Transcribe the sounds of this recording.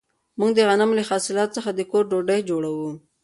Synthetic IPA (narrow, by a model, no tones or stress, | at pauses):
muŋɡd̪əɣanamləxɑsɪlɑt̪səxad̪əkoɾɖoɖəjd͡ʒoɽawu